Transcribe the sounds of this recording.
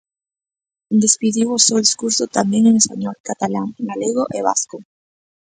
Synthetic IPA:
d̪espiðiwosold̪iskuɾsot̪ambjeŋeŋespaɲɔlkat̪alaŋɡaleɣoʔeβa̰sko

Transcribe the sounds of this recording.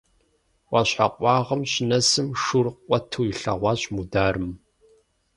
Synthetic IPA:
wʷʼɑɕħaqʷʼɑːʁɐmɕnɐsɨmʂurqʷɔtʰuːjiɬɐ̰ʁʷɑːɕʼmudaːrɨm

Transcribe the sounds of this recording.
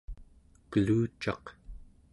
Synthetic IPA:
kəluːt͡ʃɑ̰q

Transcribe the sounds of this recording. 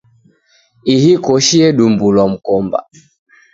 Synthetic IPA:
ihikɔʃiɛɗumbulwam̩kɔmba̰

